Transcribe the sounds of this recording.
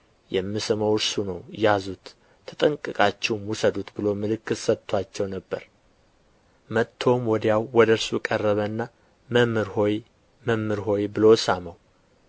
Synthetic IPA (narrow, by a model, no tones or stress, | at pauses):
jɛmːisɨməwɨɾsunəwjjazut̪ʰː | ə̥t̪ʼəŋkʼɨkʼat͡ʃːɛwmwusəd̪ut̪bɨlo̞mɨlɨkːɨt̪sət̪ʰːwat͡ʃːɛwnəbːəɾ | mət̪ʰːo̞mwɔd̪jawwɔd̪əɾsukʼərːəβənːa | məmɨɾhoj | məmːɨɾɦo̞jbɨlo̞saməw